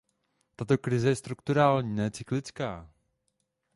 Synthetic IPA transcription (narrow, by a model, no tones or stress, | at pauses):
t̪at̪o̞kɾɪzɛjɛst̪ɾukt̪uɾaːlɲiːnɛːt͡sɪklɪt͡skaː